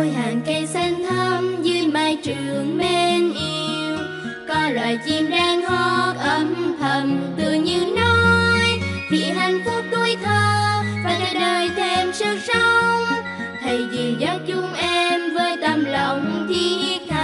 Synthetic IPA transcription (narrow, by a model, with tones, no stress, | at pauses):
jɦaː˨˩nkə˧jsa˧ŋ̟t̪ʰə˧mzɨ˧jmaː˧˩jt͡ɕɨ˨˩˨əŋme˧nʔi˧w | kɔ˧lwa̰ː˧˨˩jt͡ɕi˧mɗaː˧ŋhɔ˧˦k̚ʔə˧˩mt̪ʰə˨˩nt̪ɨ̰˧˩əŋɲɨ˧no˧jvʰi˨˩ɦa˨˩jŋ̟fʊ˦˥p̚ɗ̪u˧əjt̪ʰə˧˩faː˨˧˩jjɗəː˧˩jt̪ʰe˧msɨ˦˥k̚sə˧wŋ͡m | t̪ʰə˨˩jzi˨˩zɔ˨˦˥t̚t͡ɕʊ˧˥ŋ͡mʔɛ˧mvəː˨˧jt̪a˨˧˩mlə˨wŋ͡mt̪ʰi˧t̪a˧˨